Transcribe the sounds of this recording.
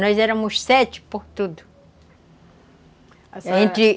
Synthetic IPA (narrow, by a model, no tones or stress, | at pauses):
nɔjzɛɾɐ̃mʊssɛt͡ʃɪ̥poɾt̪ud̪ʊ | aʒẽnt̪ɪ